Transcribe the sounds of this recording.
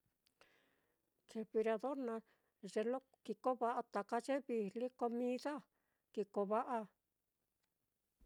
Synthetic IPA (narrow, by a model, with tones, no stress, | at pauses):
t͡ʃe˧βi˧ɾa˧ðo˦ɾnã˧ | ʐe˧lo˦ | ki˧ko˦βa˧ʔa˧t̪a˨ka˦t͡ʃe˦βi˧li˦ko˧mĩ˦ða˦ | ki˧ko˧βa˦ʔa˧